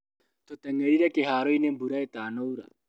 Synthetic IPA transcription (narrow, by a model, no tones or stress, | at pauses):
t̪ot̪ɛŋɛɾiɾakeɦaːɾoinembuɾaet̪aːnowɾa̰